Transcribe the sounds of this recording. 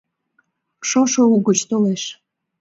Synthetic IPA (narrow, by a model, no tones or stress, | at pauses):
ʃoʃouɣət͡ɕt̪oleʃ